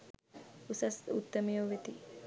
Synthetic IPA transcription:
usɐsut̪ːəmejoʋet̪i

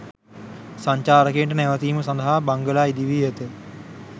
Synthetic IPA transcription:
saɲt͡ʃaːɾəkejːɳʈənɛʋət̪iːməsãnd̪əɦabaŋɡəlaːid̪iʋiːjət̪ə

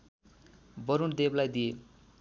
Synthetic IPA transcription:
bʌɾund̪eblajd̪ie

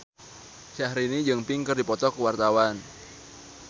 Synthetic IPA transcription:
ʃahɾinid͡ʒɨŋpɪŋkərdipɔt̪ɔkəwart̪awan

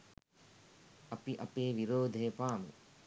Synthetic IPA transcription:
ɐpiʔɐpeːʋiɾoːd̪ʱejɐpaːmḭ

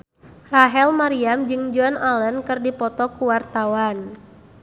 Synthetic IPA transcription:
raɦɛlmaɾiamd͡ʒɨŋd͡ʒɔnalənkɨrdipɔt̪ɔkuwart̪awan

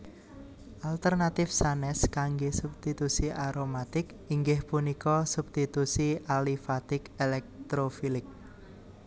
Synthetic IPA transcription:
ʔalt̪ərnat̪ɪfsanɛskaŋɡesupst̪it̪usiaɾomat̪ɪk | iŋɡɪhpunikɔsupst̪it̪usiʔalifat̪ɪkelɛk̚t̪ɾofilɪk̚

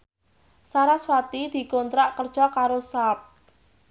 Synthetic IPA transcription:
saɾaswat̪id̪̥i̤kɔnt̪ɾaʔkərd̥ʒ̥ɔ̤kaɾosap̚

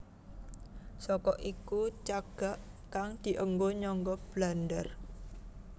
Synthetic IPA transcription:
sɔkɔʔikut͡ʃaɡ̥a̤ʔkaŋd̪̥i̤ʔəŋɡoɲɔŋɡɔb̥landər

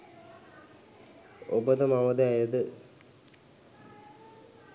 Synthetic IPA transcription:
obəd̪əmaməd̪əɛjəd̪ə

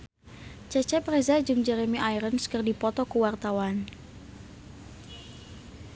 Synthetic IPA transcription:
t͡ʃɛt͡ʃɛprɛzad͡ʒumd͡ʒɛɾemiʔajɾənskərdipɔt̪ɔkuwart̪awan

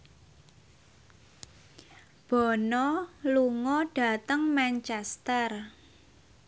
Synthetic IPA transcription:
b̥ɔ̤nɔluŋɔɖ̥ä̤t̪əŋmant͡ʃɛst̪ər

